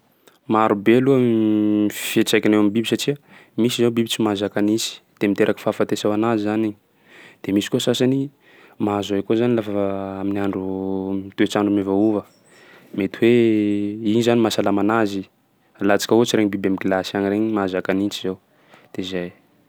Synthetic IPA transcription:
maɾubeluəiffiet͡sajkinewambibisaʈ͡ʂiə | misizawbibit͡simazakanit͡si̥d̪̥emint̪eɾʔakə̥faːfant̪esawanazizaniɲ | d̪̥emisi̥kuəsasani | mazajkuzanilafaminiaɳɖ͡ʐut̪uet͡saɳɖ͡ʐumevauvə | met̪iwe | inizanimasalamanazi | lat͡si̥kəot͡siɾeɲibibamiɡilasianiɾeɲmazakanint͡sizaw | d̪̥ezaj

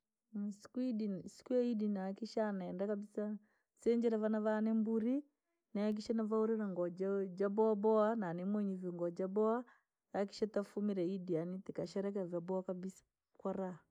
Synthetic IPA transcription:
si̥kuidisi̥kujaidinaːkiʃaːnaɛndakabisa | sɛɲd͡ʒɛɾavanavanɛmbuɾi | naak̬iʃanavauɾɛɾaŋɡɔd͡ʒd͡ʒabɔabɔananɛmwɛɲɛvɔŋɡɔd͡ʒabɔa | jak̬i̥ʃatafumiɾɛidianitikaʃɛɾɛk̬ɛvjabɔakabisḁ | kwaɾa

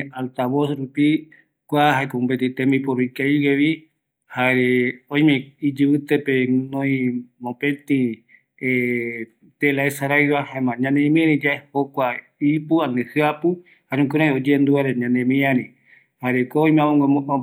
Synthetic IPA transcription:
alt̪aβosɾupi | kʷaɦaekoũpet̪ĩt̪ẽmipoɾikaiweβi | haɾeõj̃mẽid͡ʒɨβɨt̪epenõĩmõpẽt̪ĩ | e | t̪elaesaɾajwahãmãɲãnẽmĩãɾĩd͡ʒaehokʷa | ipuanẽhɨapɨ | haɾẽũkɨɾãj̃od͡ʒend̪uaɾeɲãnẽmĩãɾĩ | haɾekʷoõj̃mẽãmõŋ

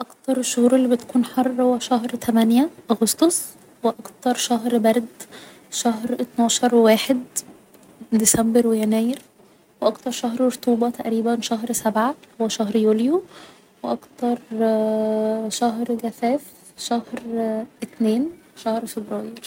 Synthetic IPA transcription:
ʔɑkt̪ɑɾˤeʃːohuːɾelːibet̪æ̥kuːnħɑrˤːhowːæʃæhɾt̪ʰæmænjæʔɑɣost̪os | weʔɑkt̪ɑɾˤʃæɦɾbæɾˤd̪ | ʃæhɾʔet̪nɑːʃɑɾˤwwæːħed̪ | d̪isæmbeɾwejænæːjeɾ | weʔɑkt̪ɑɾˤʃɑɦɾoɾt̪uːbɑt̪æʔɾiːbænʃæɦɾsæbʕahowːæʃæhɾjuːljo | weʔɑkt̪ɑɾˤ | ʃæɦɾɡæfæːf | ʃæhɾʔet̪neːnʃæhɾfebɾɑːjɪɾ

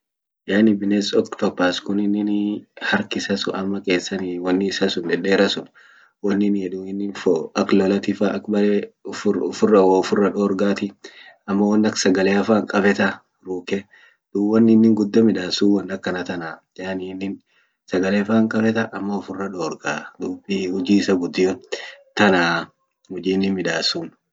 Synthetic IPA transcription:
jaːnɪbɪnesɔkt̪ɔpːaːskʊnɪnːɪnhɐɾkɪsɐsʊʔɐmːɐkʼe̞ːsːɐniwɐnːɪːsɐsʊnd̪ɛᶑeːɾɐsʊn | wɐnːɪnhɛd̪uːɪnːɪnfɔɐklɔlɐt̪ɪfaʔɐkbɐlefʊʊfʊrːɐwoʊfʊrːɐᶑoːɾɡaːt̪ɪɐmːɐwɐnːɐksɐɡɐleɐfaːŋkʼɐbɛt̪ɐ | ɾuːkɛ | d̪uːwɐnːɪnːɪŋɡʊd̪ːɐmɪᶑaːsuːwɐnːɐkːɐnɐt̪ɐnaː | jaːnɪnːɪn | sɐɡɐleːfaːŋkʼɐbɛt̪ɐʔɐmːɐʊfʊrːɐᶑoːɾɡaːd̪uːbiʊd͡ʒiːɪsɐɡʊd̪ːɪjɔt̪ɐnaː | hʊd͡ʒiːnːɪmɪᶑ̪aːsuːn

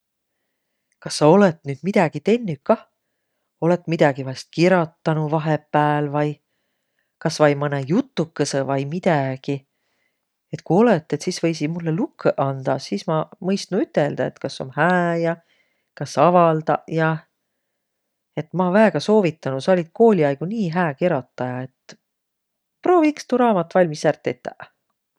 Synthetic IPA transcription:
kɑsːɑo̞let̪nyːd̪̥mid̪̥ɑɡ̥it̪e̞nːykːɑ | o̞le̞t̪ːmid̪̥ɑɡ̥ivɑst̪̚kiɾɑt̪ːɑnuvɑɦepːæːlvɑj | kɑsvɑjmɤnejut̪ˑːukːesevɑjmid̪̥æɡ̥i | et̪ˑkuo̞let̪ːˑe̞t̪sisvɤjsimulːelukːeʔɑnd̪̥ɑsiːsmɑmɤjst̪nuyt̪ːeld̪̥ɑḛt̪kɑsːo̞̰mhæːjɑ | kɑsɑvɑld̪̥ɑ̰jɑ | e̞t̪ːˑmɑvæeɡ̥ɑso̞ːvit̪ːˑɑnusɑolʲid̪̥̚ko̞ːlʲiɑjɡ̥uniːɦæːkeɾot̪ˑːɑjɑe̞t̪ː | pro̞ːvikst̪uɾɑːmɑt̪ːˑvɑlʲmisært̪ːˑet̪ːˑæ

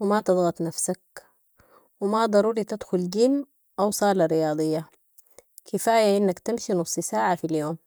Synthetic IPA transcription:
wɪmat̪ɨd̪ˤɣɑt̪ˤnafsak̚ | wɪmad̪ˤɑɾuːɾit̪ad̪xʊlɡiːm | ʔawsˤɑːlɑɾɪjɑːd̪ˤɨjːa | kʰɪfaːjaʔɪnːakt̪amʃinʊsˤisaːʕafiljoːm

